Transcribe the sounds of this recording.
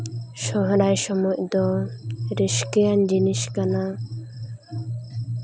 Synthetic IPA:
ʃɔɦɾajʃɔmɔjd̪ɔɾiʃkɛjand͡ʒiniʃkana

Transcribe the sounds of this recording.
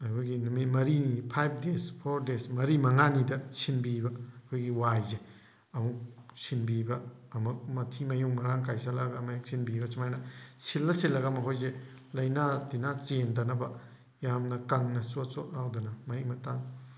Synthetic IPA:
ɐjkʰojɡinumimɐɾinipʰajp̚ʰdespʰoɾdesmɐɾimɐŋanidɐsʰinbibɐkʰojɡiwajze | ɐmuk̚sʰinbibɐː | mɐk̚mɐtʰimɐjuŋmɐɾaŋkajsalaɡɐmajek̚sʰinbibɐt͡ʃimajnɐsilːɐsilːɐɡamɐɦojze | lɐjnadinat͡ʃendɐnɐbɐ | jamnɐkɐŋnɐsot̚sot̚lawdɐnɐmɐimɐtaŋ

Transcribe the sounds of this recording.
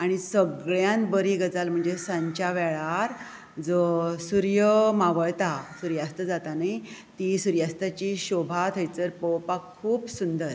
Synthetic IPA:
aɽ̃isəɡɭjãnbəɾiɡəd͡zalm̤əɳd͡zesãɲt͡ɕaʋɛɭaɾ | d͡zəsuɾjəmaʋəɭt̪asuɾjast̪əd͡zat̪anaj | t̪isuɾjast̪at͡ɕiɕobʱat̪ʰəjt͡səɾpɔwpakkʰːuːpsund̪əɾ

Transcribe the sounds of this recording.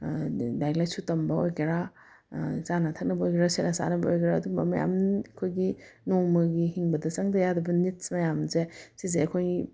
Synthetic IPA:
dajlajsutɐmbɐojkiɾa | t͡ʃanɐtʰɐk̚nɐbɐojkeɾasenɐsa̰nɐbɐojkɾaɐdubɐmɐja̰mkʰojɡinomɐɡihiŋbɐdɐt͡ʃaŋdɐjadɐbɐnit̚smɐjamzesizeɐkʰoj

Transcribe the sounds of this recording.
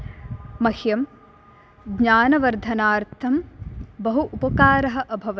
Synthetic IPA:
mɐhjɐm | ɡɲaːnɐʋɐɾd̪ʱɐnaːɾt̪ʰɐmbɐɦuʔupɐkaːɾɐɦɐ̆ʔɐbʱɐʋɐ

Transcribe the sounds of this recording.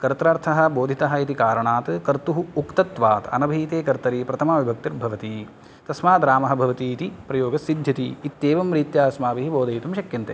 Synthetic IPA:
kɐɾt̪ɾaːɾt̪ʰɐɦɐ̆boːd̪ʱit̪ɐɦɐ̆it̪ikaːɾɐɳaːt̪kɐɾt̪uɦuukt̪ɐt̪ʋaːt̪ɐ̰nɐbʱiːt̪eːkɐɾt̪ɐɾiːpɾɐt̪ʰɐmaːʋibʱɐk̚t̪ɐɾbʱɐʋɐt̪i | t̪ɐsmaːd̪ɾaːmɐɦɐ̆bʱɐʋɐt̪iːt̪ipɾɐjoːɡɐsid̪ʱjɐt̪iːt̪ːeːʋɐmɾiːt̪jaːɐsmaːʋiɦiboːd̪ʱɐjit̪umʃɐkjɐnt̪ḛː

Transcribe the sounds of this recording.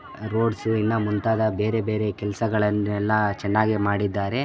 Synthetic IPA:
ɾo̞ːɖsuinːɐmunt̪aːd̪ɐbe̞ːɾe̞be̞ːɾekɛlsɐɡɐɭɐnːɛlːɐt͡ʃɛnːaːɡimaːɽid̪ːaːɾe̞

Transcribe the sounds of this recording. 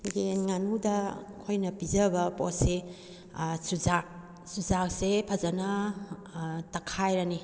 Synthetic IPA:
ɡenŋanudɐ | kʰojnɐpizɐbɐpo̰se | suzak̚ | suzak̚sepʰɐzɐnɐ | tɐkʰajɾani

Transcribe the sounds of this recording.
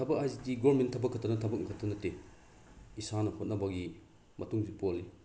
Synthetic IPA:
tʰɐbɐk̚ajzidiɡɔɾmentʰɐbɐkʰɐtʰanɐtʰɐbɐk̚nkʰatʰːɐnɐte | isanɐhʰot̚nɐbɐɡi | mɐtuŋzipɔli

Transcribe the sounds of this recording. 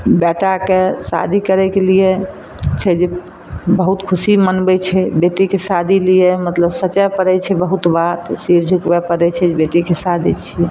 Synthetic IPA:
bɛʈakesa̰d̪ʱikəɾɛkelije | t͡ʃʰɛd͡ʒe | bəɦut̪kʰusimənbɛt͡ʃʰɛbeʈikesad̪ʱilijemət̪ləbsət͡ʃapəɾɛt͡ʃʰɛbəɦut̪bat̪siɾd͡ʒʱukbɛpəɾɛt͡ʃʰɛd͡ʒbeʈikesad̪ʱit͡ʃʰɛ

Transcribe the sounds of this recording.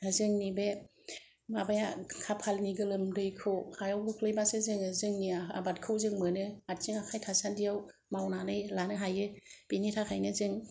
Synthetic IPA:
azɯŋnibe | mabajakʰapʰalniɡɯlɯmdɯjkʰɯwhajawɡɯkʰlɯjbasezɯŋɯzɯŋniaa̰bat̚kʰɯwzɯŋmɯnɯat̚zɯŋakʰajtʰasandijawmawnanɯjlanɯɦajɯb̥initʰakʰajnɯzɯŋ

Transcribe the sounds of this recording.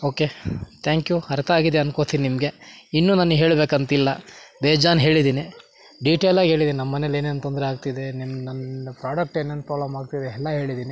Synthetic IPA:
oːke̞t̪ʰaːŋkjuhɐɾɐt̪ʰɐaːɡid̪eɐnkoɭt̪iːninimɐɡe̞inːuːnaːnɦe̞ːɭbeːkɐnt̪ilːɐbeːd͡ʒaːnɦe̞ːɭid̪iːni | ɖiʈeːlaːɡɦe̞ːɭid̪iːninɐmːɐneleːneːnt̪ond̪ɐɾeaːɡ̚t̪id̪enimnɐnpɾaːɖɐk̚ʈeːneːnpɾaːʋlɐmaːɡt̪id̪eɛlːɐɦe̞ːɭid̪iːni

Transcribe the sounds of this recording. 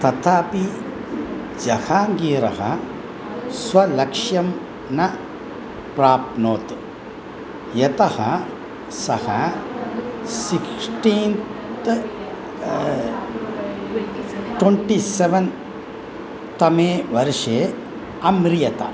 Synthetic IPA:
t̪ɐt̪ʰaːpi | d͡ʒɐhaːɡiːɾɐɦɐ̰ | sʋɐlɐkʂjɐm | nɐ | pɾaːp̚noːt̪ | jɐt̪ɐhɐ | sɐhɐ | siksʈiːnt̪ | ʈweɳʈiseʋɐn | t̪ɐmeːʋɐɾʂeː | ɐmɾijɐt̪ɐ̰

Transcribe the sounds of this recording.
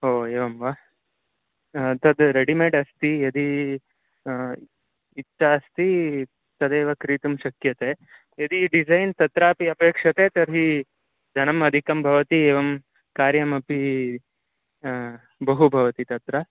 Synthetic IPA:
ɦoːeːʋɐmʋaː | t̪ɐd̪ɾeɖimeːɖɐst̪ijɐd̪i | itt͡ʃːaɐst̪i | t̪ɐd̪eːʋɐkɾiːt̪umʃɐkjɐt̪eː | ɐd̪iɖid͡ʒɐjnt̪ɐt̪ɾaːpiɐpeːkʂɐt̪eːt̪ɐɾɦi | d͡ʒ̪ʱɐnɐmɐd̪ʱikɐmbʱɐʋɐt̪ieːʋɐm | kaːɾjɐmɐpi | bɐɦubʱɐʋɐt̪it̪ɐt̪ɾɐ

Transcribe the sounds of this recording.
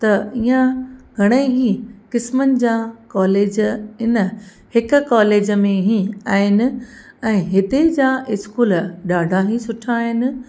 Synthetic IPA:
t̪ɐiːãɡʱɐɽ̃eɦĩkɪsmənɪ̆d͡ʑãkaːleːd͡ʑɪnə̆ | hɪkʊ̆kaːleːd͡ʑəmẽɦĩaːɦɪnɪ̆ | ɛ̃ːɦɪt̪ed͡ʑãːʔɪskuːlɗaːɖʱaɦĩsʊʈʰaːɦɪnɪ̆

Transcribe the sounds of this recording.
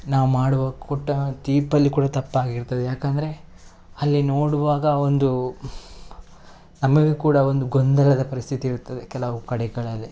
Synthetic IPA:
naːʋumaːɽuʋaːɡɐkoʈːɐd̪iːpɐlːikuːɽɐt̪ɐpːaːɡiɾt̪ːɐd̪ejaːkɐnd̪ɐɾe̞ | ɐlːino̞ːɽuʋaːɡɐo̞nd̪u | nɐmɐɡekuːɽɐo̞nd̪uɡond̪ɐlɐd̪ɐpɐɾist̪ʰit̪iːɾut̪ːɐd̪ekɛlɐʋukɐɽɛɡɐɭɐlːi

